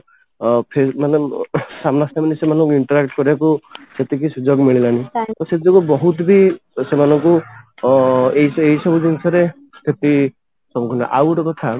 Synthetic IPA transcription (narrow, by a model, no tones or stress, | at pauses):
pʰemanesamnasnamanisemanɔŋkuiɳʈɔɾakʈkɔɾibakuset̪ikisud͡ʒɔɡmiɭilanit̪ɔset̪d͡ʒɔɡubɔɦut̪bisemanɔŋku | eɦiseɦisɔbud͡ʒinsʰaɾe | sʰet̪i | sɔbukʰɔna̰ʔa̰wɾɔbɔt̪ʰa